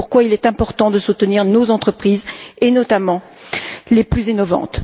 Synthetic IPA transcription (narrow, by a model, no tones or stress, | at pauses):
uʁkwailɛt̪ɛ̃pɔʁt̪ɑ̃d̪əsut̪əniʁnozɑ̃t̪χəpχizenɔt̪amɑ̃ | leplyzenɔvɑ̰̃t̪